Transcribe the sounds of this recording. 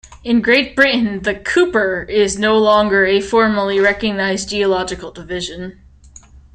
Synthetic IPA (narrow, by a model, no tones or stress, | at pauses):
ɨ̃nɡɹeɪt̚b̥ɹɪʔn̩ðɨkʰʉpə˞ɪznoʊlɔ̃ŋɡə˞ɨfɔɹmə˞l̩ˠiɹɛkɨɡ̚naɪzd͡ʒiɨlɑd͡ʒɨkl̩ˠdəvɪʒɨ̃n